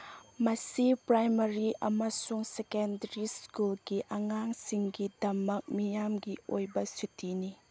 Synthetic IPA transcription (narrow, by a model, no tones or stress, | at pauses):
mɐsipɾajmɐɾiʔɐmɐsuŋsekendɐɾiskulɡiʔɐŋaŋsiŋɡidɐmɐk̚mijamɡio̰jbɐsutʰini